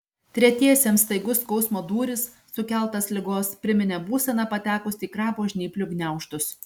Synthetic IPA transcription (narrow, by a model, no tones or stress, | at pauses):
t̪ʲɾʲɛt̪ʲiɛsʲeːmsst̪ɐɪɡʊskɒʊsmoːd̪uːɾʲɪsːʊkʲɛlˠt̪ɐslʲɪɡoːspʲɾʲɪmʲɪnʲɛbuːsʲɛnɑpɐt̪ʲæːkʊsʲiːkɾɑːpoːʒʲnʲiːpʲlʲʊɡnʲæˑʊʃt̪ʊs